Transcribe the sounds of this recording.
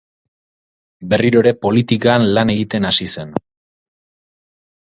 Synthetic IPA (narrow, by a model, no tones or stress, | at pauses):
be̞riɾo̞ɾe̞po̞lit̪ikaːnlane̞ɣit̪e̞nasise̞n